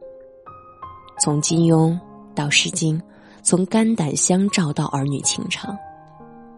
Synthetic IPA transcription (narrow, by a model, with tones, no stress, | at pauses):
t͡sʰʊ˧˥ŋt͡ɕi˥njʊ˥ŋ | t̪ɑ˥˩ʊʂɻ̩˥˩t͡ɕi˥n | t͡sʰʊ˧˥ŋka˥nt̪a˨˩nɕjɑ˥ŋʈ͡ʂɑ˥˧ʊt̪ɑ˥˩ʊʔə˞˧˥ny̰˨˩t͡ɕʰḭ˧˥ŋʈ͡ʂʰɑ˧˦ŋ